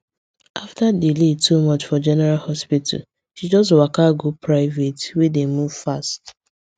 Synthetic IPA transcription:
ʔaftadiletumɔt͡ʃfɔd͡ʒɛnɛɹalhɔspitʰa̰l | ʃid͡ʒɔs̬twakaɡopʰɹaɪvetwedemuv̥fast

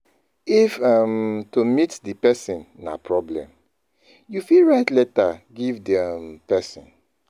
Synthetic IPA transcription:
ifamtomitdipɛsĩnːa̰pʰɹɔblɛ̰̃m | jufiɹaɪtlɛtaɡivdiampɛsḭ̃n

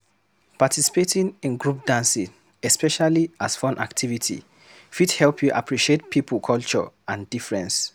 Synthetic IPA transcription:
patʰisi̥petĩnĩnɡɹup̚d̥ãnsĩn | ɛspɛʃaliʔasfɔ̃nʔa̰ktʰivitʰḭ | fithɛlˠpʰjuʔa̰pʰɹiʃiet̚pʰipʰəlkʰɔlt͡ʃɔ̰ãndifɹɛ̃ns

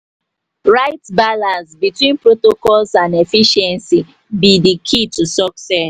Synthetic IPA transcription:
ɹaɪtbalãnsbitwĩnpɹotokɔlsãnefiʃɛ̃nsi | bidikʰitusɔksɛs

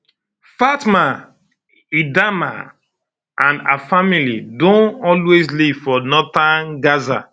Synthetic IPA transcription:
fatmã | idama̰ | ʔãna̰familidõnɔlwezlifɔnɔtãnɡaza̰

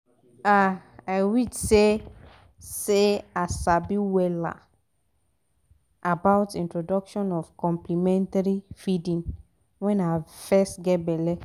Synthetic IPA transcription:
aajwidse | seasabiwɛla̰ | ʔabaʊtĩntɹodɔkʃɔ̃nɔfkɔ̃mplimɛ̃ntaɹifidĩn | wɛ̃nafɛstɡɛtbɛlɛ

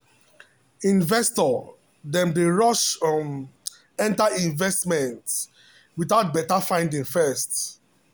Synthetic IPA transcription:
ĩnvɛstɔ | dɛ̃ndeɹɔʃm | ɛ̃ntaĩnvɛstmɛ̃nt | wiθaʊt̚bɛtafãɪ̃ndĩŋfɛst

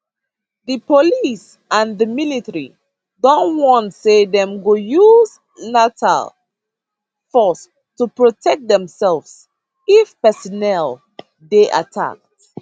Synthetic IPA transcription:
ðəpolis | ãnðəmilitəɹḭ | dɔ̃nwɔ̃ntsedɛ̃mɡojuz | natʰa̰l | fɔs | tupɹotʰɛk̚t̚dɛ̃msɛlvs | ifpɛsɔnɛlˠ | deʔa̰tʰa̰k̚t

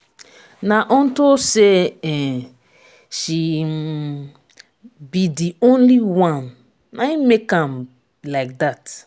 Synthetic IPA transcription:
naʔɔ̃ntoseɛ | ʃi | bidiõnliwãn | naimekãm | laɪk̚dat

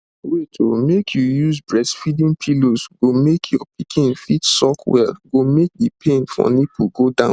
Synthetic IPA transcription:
wetʰomekʰjujuzbɹɛsfidĩŋpʰilozɡomekʰjɔp̚ʰikʰĩnfitsɔkwɛ̰lɡomek̚dipʰẽnfɔ̰nipʰuɡodãʊ̃

